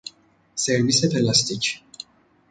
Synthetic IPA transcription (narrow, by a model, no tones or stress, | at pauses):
sɛɾvisɛpʰɛlast̪ʰit͡ʃʰi̥